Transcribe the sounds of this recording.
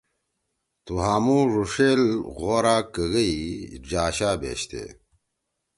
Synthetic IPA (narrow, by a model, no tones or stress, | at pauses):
t̪uɦaːmuɾuʂeːlɣoːɾaːkəɣəid͡ʑaːɕaːbḛːɕt̪ḛː